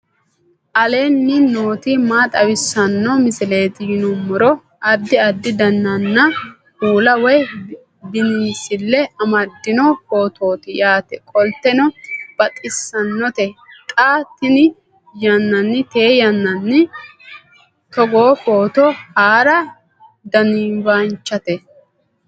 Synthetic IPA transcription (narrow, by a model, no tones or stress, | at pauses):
ʔɐle̞ːnːɪno̞ːt̪ɪmaːt̪ʼɐwɪsːɐnːɔmɪsɪle̞ːt̪ɪjɪnʊmːɔɾɔ | ɐd̪ːɪɐd̪ːɪd̪ɐnːɐnːɐ | uːlɐwɛj | bɪniːsɪlːɛɐmɐd̪ːɪnɔpo̞ːt̪ʰo̞ːt̪ɪjaːt̪ɛkʼɔlt̪ɛnɔb̥ɐt̪ʼɪsːɐnːɔt̪ɛt̪ʼaːt̪ɪnɪ | jɐnːɐnːɪt̪e̞ːjɐnːɐnːɪ | t̪ɔɡoːfoːt̪ɔhaːɾɐ | d̪ɐniːmbant͡ʃːɐt̪ɛ